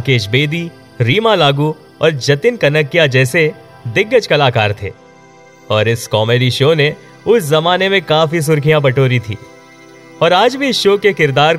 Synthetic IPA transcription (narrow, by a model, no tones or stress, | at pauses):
keːʃ̬beːd̪i | ɾiːmalaːɡu | ɔːɾd͡ʒɐt̪ɪnkɐnəkːijad͡ʒɛːse | d̪ɪɡːəd͡ʒkɐlaːkaːɾt̪ʰḛː | ɔːɾɪskɔːmeːɾiʃoːne | ʊszɐmaːnemẽkaːfis̬ʊɾkʰijãbɐʈoːɾit̪ʰḭː | ɔːɾaːd͡ʒbʱiʃoːkekɪɾd̪aːɾ